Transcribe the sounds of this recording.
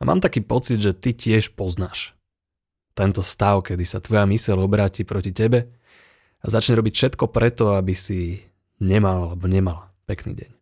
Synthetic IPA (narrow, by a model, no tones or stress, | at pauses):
ama̰ːmt̪akiːpɔt͡sid̪ʒɛt̪icɪɛʃpɔznaːʃ | t̪ɛnt̪ɔst̪aʊkɛd̪isat̪ʋɔjamisɛʎɔbɾaːcipɾɔcicɛbɛ | azat͡ʃɲɛɾɔbicfʃɛt̪kɔpɾɛt̪ɔabisi | ɲɛmalalɛbɔɲɛmala | pɛknḭːɟɛ̰ɲ